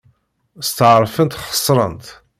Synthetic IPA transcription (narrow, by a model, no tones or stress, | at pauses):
st̪əʕəɾˤfənt̪χə̥sˤːɾˤə̰nt̪